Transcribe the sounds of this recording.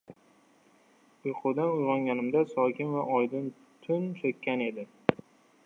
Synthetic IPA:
oqʰʊd̪anʊjʁɒŋɡʲanɪmd̪asɒkʲʰɪnvaʔɒjd̪ɪn | t̪ʰʊnt͡ʃ̪ʰokʲːane̞d̪ɪ

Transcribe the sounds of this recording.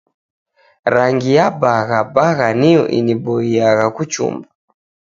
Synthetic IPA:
ɾaŋɡijabaɣabaɣanijɔ̰ʔḭnibɔiaɣakut͡ʃṵmba

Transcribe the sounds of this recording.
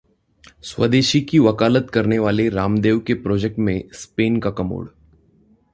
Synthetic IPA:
sʋəd̪eːʃikiʋəkaːlət̪kəɾneʋaːleɾaːmd̪eːʋkepɾɔːd͡ʒek̚ʈmẽspeːnkakɐmo̰ːɽ

